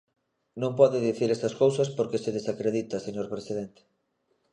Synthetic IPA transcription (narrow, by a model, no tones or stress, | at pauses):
nõŋpɔðɪðiθiɾɛst̪ɐskowsɐspoɾkeseðesakɾeðit̪ɐseɲoɾpɾesið̞ɛent̪e̥